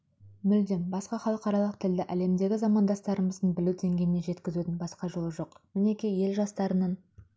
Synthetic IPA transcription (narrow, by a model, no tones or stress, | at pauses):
mʏld̪e̞nbɑsqɑχɑlˠəqɑɾɑlˠəq̚t̪ʰɪld̪ɪʔæle̞md̪e̞ɡʲɪzɑmɑnd̪ɑst̪ɑɾəməzd̪ənbɪluwd̪e̞ŋɡʲe̞jɪne̞ʒe̞t̪kʲɪzut̪ɪnbɑsqɑʒolˠəʒo̞qmɪne̞kʲijje̞lʒɑst̪ɑɾənɑn